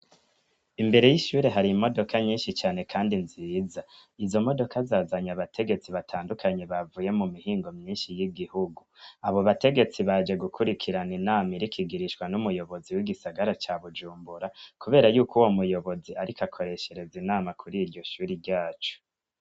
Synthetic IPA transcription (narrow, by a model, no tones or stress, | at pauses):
imbe̞ɾe̞jiʃuːɾe̞ɦaɾimo̞do̞kʰaɲiːnʃit͡ʃaːnekʰaːndinziːza | izo̞mo̞do̞kʰazaːzaɲaβatʰe̞ɡe̞t͡siβatʰaːndukʰaɲe̞βavuje̞mumihiːŋɡo̞mɲiːnʃijiɡihuɡuaβoβate̞ɡe̞t͡siβad͡ʒe̞ɡukʰuɾikʰiɾaninaːmiɾikʰiɡiɾiʃwanumujo̞βo̞ziwiɡisaɡaɾat͡ʃaβud͡ʒuːmbuɾakuβe̞ːɾajuːkuwomujo̞βo̞ziaɾikʰakʰo̞ɾe̞ʃe̞ɾe̞zinaːmakʰuɾiːɾɟo̞ʃuːɾiɾɟaːt͡ʃo̥